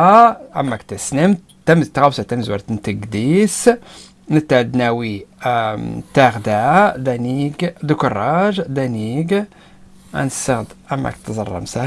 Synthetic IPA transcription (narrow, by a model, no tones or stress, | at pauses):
ʔæ̰mːækt̪əsnəmt̪ːæmzt̪ɣɑwsæt̪æmzwɑɾt̪ənt̪əɡd̪is | nət̪ːæʕd̪næwi | t̪æɣd̪æd̪æniɡd̪əkʊrˤːɑʒd̪æniɡ | æ̰nsəɣd̪ʔæ̰mːæ̰kt̪zˤɑ̰rˤːɑ̰msa